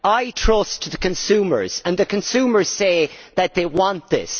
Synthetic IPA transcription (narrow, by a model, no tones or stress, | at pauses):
aɪtʰɹ̥ʌstʰəðəkɨ̃nsʉmə̰˞z̥ə̃nðɨkʰɨ̃nsʉmə˞z̥seɪðɨt̪̚ðeɪwɑ̃nðɪ̰s